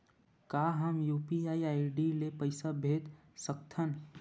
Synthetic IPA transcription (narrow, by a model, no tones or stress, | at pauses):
kaːɦəmjuːpiaːiaiɖilepəɪsabʱeːd̪ | sək̚t̪ʰən